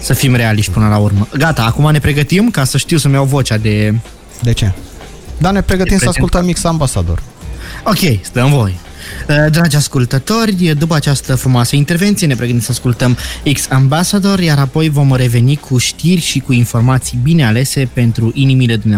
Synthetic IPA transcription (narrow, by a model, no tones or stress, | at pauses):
səfimɾe̞aliʃt̪̚ʲpɨnəlaurməɡat̪aːkumane̞pɾe̞ɡət̪imkasəʃt̪iwsəmjawvo̞t͡ʃad̪e̞ | d̪et͡ʃe̞ | d̪anepɾeɡət̪iməaskult̪əmiksambasa̰d̪o̰r | o̞kʲe̞jst̪əmvo̞je | əd̪ɾad͡ʒʲaskult̪ət̪o̞rʲəd̪upəat͡ʃast̪əfɾumoasəint̪e̞rvent̪sijenepɾeɡət̪imsəaskult̪əmiksambasad̪o̞rjaɾapo̞jvo̞mre̞ve̞nikʰuʃt̪irʲʃikuinfo̞rmat̪sijbine̞ale̞se̞pe̞nt̪ɾuʔinimile̞d̪umne